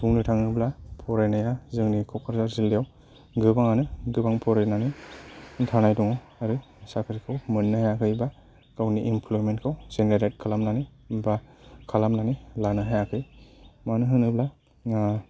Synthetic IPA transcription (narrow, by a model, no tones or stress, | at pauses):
sʰuŋnɯtʰaŋnɯblapʰɔɾajnajazɯŋnikʰɔkʰaɾzaɾzildijaw | ɡɯbaŋanɯɡɯbaŋpʰɔɾajnanintʰanajduŋaw | aɾi | sakʰɯɾkʰawmɯnːɯhajakʰɯjba | kawniʔimpʰlomentkʰawzenɾaɾajt̚kʰalamnani | bakʰalamnanilanɯɦajakʰɯjmanɯɦɯnɯbla